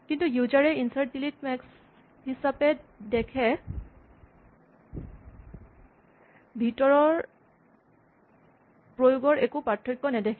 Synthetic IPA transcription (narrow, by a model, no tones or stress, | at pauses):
kintujuzaɹɛinsaɹtdilitmɛks | ɦisapɛdɛkʰɛ | bʱitɔɹɔɹ | pɹojʊɡɔɹʔekupatʰːikːɔnɛdɛkʰɛ